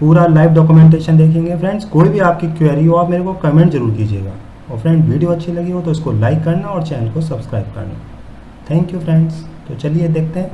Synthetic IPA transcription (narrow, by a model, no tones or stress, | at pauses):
puːɾalaːɪʋɖɔːkjumẽɳʈ̬eːʃənd̪eːkʰẽːŋɡefɾɛ̃ɳɖzkoːibʱiaːp̚kikweːɾioaːpmeːɾekokɐmẽːɳʈzɐɾuːɾkiːd͡ʒiḛːɡa̰ː | ɔːfɾɛ̃ːɳɖʋiːɖijoɐtːʃʰelɐɡeɡot̪oʊskolaːɪkːɐɾnaɔːɾt͡ʃɛːnəlkos̬ɐbskɾa̰ːɪb̚kɐ̰ɾna̰ː | t̪ʰɛ̃ːŋkjufɾɛ̃ɳɖzt̪ot͡ʃɐlied̪eːk̚ʰt̪eɦɛ̃ː